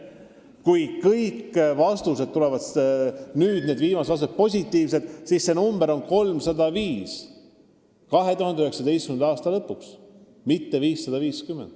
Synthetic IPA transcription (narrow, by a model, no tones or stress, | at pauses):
kujkɤjkːvɑst̪use̞d̪̚t̪ːule̞vɑd̪ | nyːd̪̥ne̞ːd̪viːmɑset̪vɑst̪ut̪̚po̞sʲit̪ːiːvse̞d̪̥sisːe̞numb̥eɾo̞nko̞lmsɑd̪ɑviːs | kɑɦe̞t̪uɦɑnd̪eyheksɑd̪e̞jst̪kymend̪ɑːst̪ɑlɤpːˑuks | mit̪ːe̞viːsːɑd̪̥ɑviːskymːend̪̥